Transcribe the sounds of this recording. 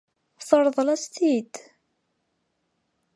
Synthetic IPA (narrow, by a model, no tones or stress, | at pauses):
θəɾˤðˤlæst̪id̪